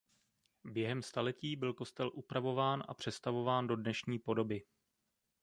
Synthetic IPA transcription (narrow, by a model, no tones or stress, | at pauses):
bjɛɦɛmst̪alɛciːbɪlko̞st̪ɛlʔupɾavo̞vaːnʔa̰pr̝̥ɛst̪avo̞vaːndo̞dnɛʃɲiːpo̞do̞bɪ